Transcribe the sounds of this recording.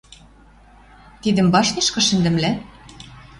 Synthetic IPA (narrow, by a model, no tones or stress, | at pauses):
t̪id̪ɘ̆mbɑʃneʃkɤ̆ʃɘ̆nd̪ɘ̆mlæ